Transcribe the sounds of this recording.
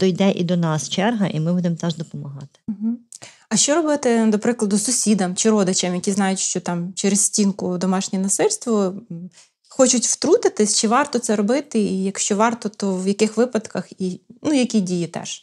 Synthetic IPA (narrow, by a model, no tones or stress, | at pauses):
d̪ɔjd̪ɛʔḭd̪ɔnɑst͡ʃɛrɦɐʔimɪbud̪emt̪ɛʒd̪ɔpɔmɐɦɑt̪ɪ̥m̩ɦ̩ | ɐʃt͡ʃɔɾɔbɪt̪ɪd̪ɔpɾɪklˠɐd̪ʊsʊsʲid̪ɐmt͡ʃɪɾɔd̪ɪt͡ʃɛmjɐkʲiznɑjʊtʲʃt͡ʃɔt̪ɑmt͡ʃeɾɪssʲtʲinkʊd̪ɔmɑʃnʲinɐsɪlʲst̪ʋɔ | xɔt͡ʃʊtʲwt̪ɾut̪ɪt̪ɪsʲt͡ʃɪʋɑrt̪ɔt̪sɛɾɔbɪt̪ɪijɐkʃt͡ʃɔʋɑrt̪ɔt̪ɔwjɐkɪxʋɪpɐd̪kɐxinujɐkʲidʲijit̪ɛ̰ʒ̥